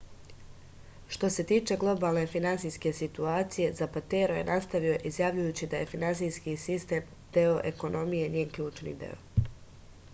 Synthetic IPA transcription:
ʃt̪o̞se̞t̪iːt͡ʃe̞ɡlˠo̞baːlˠne̞finansijske̞sit̪uaːt̪sije̞zapat̪e̞ɾoje̞̰nʔast̪aʋio̞ʔizjaːʋʎujuːt͡ɕid̪aje̞finansijskisist̪e̞ːm | d̪̥eo̞ʔe̞ko̞no̞mijeɲeːnkʎuːt͡ʃnḭd̪e̞̰o̰

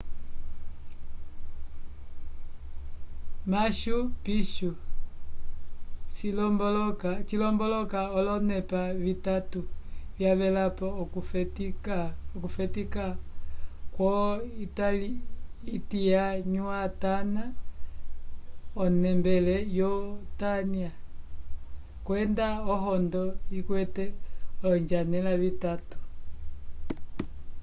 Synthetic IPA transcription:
maʃupiʃu | ʃilɔmbɔlɔkat͡ʃilɔmbɔlɔkaɔlɔnɛpavitatuvjaβɛlapɔkutikɔkufɛtika | kwɔitaliitijaɲuatana | ɔnɛmbɛlɛjɔtania | kwɛndaɔɦɔndɔikwɛtɛɔlɔɲd͡ʒanɛlaβitatu̥

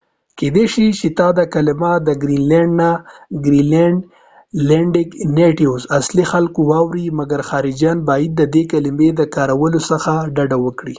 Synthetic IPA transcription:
ked̪eʃit͡ʃet̪ɑd̪əkalɪmad̪əɡɾilaɳɖnaɡɾileɳɖ | leɳɖɪɡneʈiwzaslixalkowɑwɾimaɡaɾxɑɾɪd͡ʒjɑnbɑjɪd̪̚ːəd̪ekalɪmed̪əkɑɾawəlosəxaɖaɖawəkɽḭ

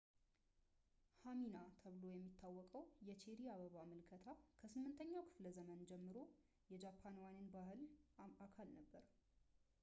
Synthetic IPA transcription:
haminat̪ʰəβlo̞jɛmːit̪ʰːawːɔkʼəwjɛt͡ʃʰeɾiaβəβaməlkʰət̪ʰakʰəsɨmːɨnt̪ʰəɲːawkʰɨ̥fləzəmənd͡ʒɛmːɨɾo̞ | jɛd͡ʒapʰːanwanɨnbahɨlakʰalnəbːəɾ

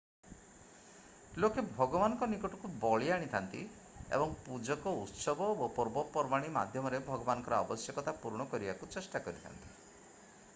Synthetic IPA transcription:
lokebʱɔɡɔbanɔŋkɔnikɔʈɔkubɔɭiaɽ̃it̪ʰant̪i | ḛbɔŋpud͡ʒɔkɔut̪sɔbɔopɔɾbɔpɔɾbaɽ̃ima̰d̪ʱjɔmɔɾebʱɔɡɔbanɔŋkɔɾɔɔbɔsjɔkɔt̪apuɾɽ̃ɔkɔɾibakut͡ʃesʈakɔɾit̪ʰa̰nt̪i

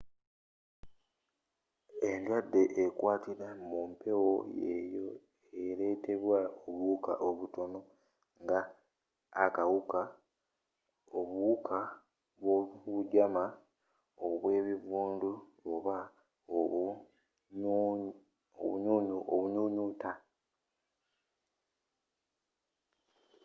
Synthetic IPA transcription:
endwadːe̞ʔekwaːtiɾamumpe̞wo̞jḛjo̞ | eɾe̞te̞βwaoβuka̰ʔoβuto̞no̞ | ŋɡaː | kawuka | oβukʰa | βwoβuɟama | oβwe̞ːβiβuːndu | oβa | o | o̰βuɲuːɲuʔo̰βuɲuɲuta

